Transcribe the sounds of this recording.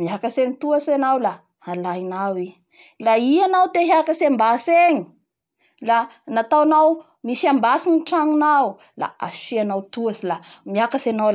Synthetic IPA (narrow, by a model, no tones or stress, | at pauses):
miakaseɲit̪uasanawla | halajnawi | laianawt̪eɦakasambaseɲi̥ | lanat̪awnaw | misiambasiniʈ͡ʂaŋunaw | la̰a̰fianawt̪uasilamiakasanawla